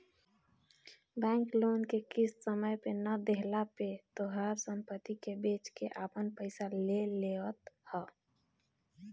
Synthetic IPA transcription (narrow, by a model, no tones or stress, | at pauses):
bɛ̃ːŋkloːnkekɪssəməjpenəd̪eɦlapet̪oɦəɾsəmpət̪ikebeːt͡ʃkeʔapənpəɪsalelewət̪hɛ